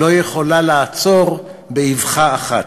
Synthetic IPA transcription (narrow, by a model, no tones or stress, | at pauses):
ojeχo̞lalaːt͡so̞ʁ | beivχaːχat